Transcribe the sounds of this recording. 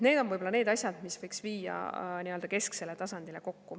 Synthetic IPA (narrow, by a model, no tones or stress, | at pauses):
ne̞ːd̪̥o̞nvɤjbo̞lɑne̞ːd̪ɑsʲjɑd̪misvɤjksviːjɑ̰niøld̪ɑke̞skse̞le̞t̪ɑsɑnd̪ile̞ko̞kːu